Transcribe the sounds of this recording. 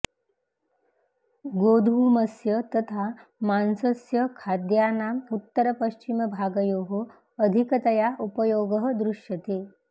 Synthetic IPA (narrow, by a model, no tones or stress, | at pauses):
ɡod̪ʱuməsjət̪ət̪ʰamansəsjəkʰad̪jaːnamut̪ːəɾəpəɕt͡ʃiməbʱaːɡəjoːɦoː | d̪ʱikət̪ɐjaʔupəjoːɡəɦəd̪ɾuʂjɐt̪e